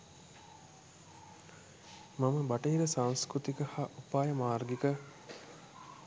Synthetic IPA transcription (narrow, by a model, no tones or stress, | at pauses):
maməbaʈəiɾəsaŋskɾut̪ikəhaʔupaːjəmaːrɡikə